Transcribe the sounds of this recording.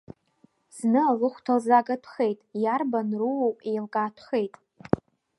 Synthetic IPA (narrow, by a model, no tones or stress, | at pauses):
z̥nɨalɨχʷtʰalzaɡatʷʰχejtʼjarbanruwopʼejlɡʼaːtʷʰχe̞jtʼ